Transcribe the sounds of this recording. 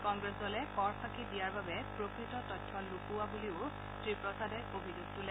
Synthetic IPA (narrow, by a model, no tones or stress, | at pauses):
kɔŋɡɹesdɔlɛkɔɹpʰakidijaɹbabɛpɹokɹitɔtɔtʰːɔlukʊwabuliʊ | tɹipɹɔsadɛʔobʱizuɡ̚tulɛ